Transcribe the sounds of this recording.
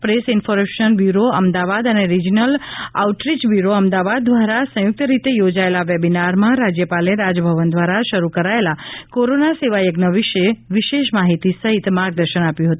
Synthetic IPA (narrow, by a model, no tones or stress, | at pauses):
pɾesɪnfoɾmeʃənbjuɾoə̰md̪aʋad̪əneɾid͡ʒinəla̰uʈɾit͡ʃbjuɾoəmd̪aʋad̪̚ːʋaɾasə̃jʊk̚t̪əɾit̪ejod͡ʒaelaʋebinaɾmãɾad͡ʒjəpaleɾad͡ʒbʱəʋənd̪ʋaɾaʃəɾukəɾaelakoɾonaseʋajəɡnəʋiʃəeʋiʃeʃmaɦit̪isəɦit̪maɾɡ̚d̪əɾʃənapjũɦət̪ũ